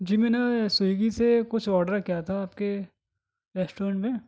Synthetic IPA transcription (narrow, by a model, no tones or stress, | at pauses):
d͡ʒiːmeːnesʊiɡisekʊt͡ʃʰɔːɾɖəɾkjat̪ʰaːpke | ɾɛːsʈoːɾə̃ɳʈmẽ